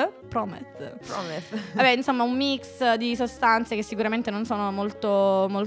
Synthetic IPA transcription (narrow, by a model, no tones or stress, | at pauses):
pɾɔːmɛ̰t̪ | abɛinsomːaumːiksd̪isost̪ant̪sekesːikuɾament̪enonsoːnomolt̪omol